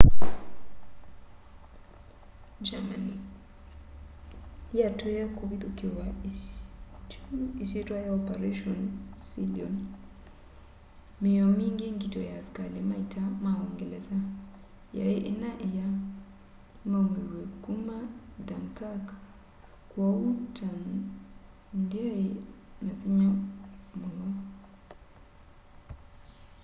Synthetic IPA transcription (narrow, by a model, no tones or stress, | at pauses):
d͡ʒamani | jatʰɔjakobitɔkɛwa | isitajɔpɛɾeʃɔnsiliɔn | mɛjomiŋɡiŋɡitɔjaskalɛmajtamaɔŋɡɛlɛza | ja̰jɛʔinaʔɛja | mamiwekumadamkak | kwɔwutʰan | ndiɔɛnafiɲamulɔ